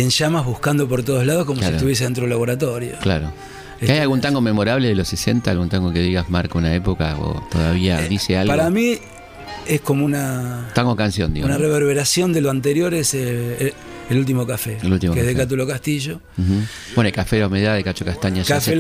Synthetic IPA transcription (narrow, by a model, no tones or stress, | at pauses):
enʃamazβuhkand̪op̬o̞ɾt̪̬oð̞olað̞o̞hkomosieɾt̪uβjes̬eent̪ɾoelaβo̞ɾat̪o̞ɾjokla̰ɾo̰ | eeajalɣunt̪aŋɡomemo̞ɾaβleðelosesent̪aːlɣunt̪aŋɡokeðiɣazmaɾkounaepokao̰t̪oðaβiaðisealɣpaɾami | esko̞mounat̪aŋɡokansjõ̰nd̪ḭɣounareβeɾβeɾasjo̞nd̪eloant̪e̞ɾjo̞ɾese | elult̪̬imokafeelult̪imkezðekat̪̬ulokast̪iʒo̞x̩ | benoekafeɾawmeðaðekat͡ʃokast̪aɲaʒasfe